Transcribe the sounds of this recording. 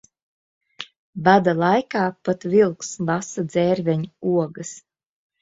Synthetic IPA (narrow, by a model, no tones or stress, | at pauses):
bad̪alˠajkaːpat̪vilˠkslˠasad̪zɛːɾvʲɛɲuuɔɡɐs